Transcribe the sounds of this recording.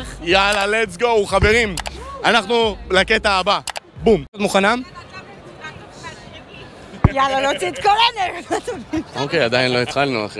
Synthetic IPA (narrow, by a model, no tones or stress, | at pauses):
jalalet͡sɡouχave̞ʁimanaχnulaket̪aːba | bumt̪muχanam | jalolot͡sit̪kolaneat̪omiokejad̪ajinlo̞it̪χalnua̰χ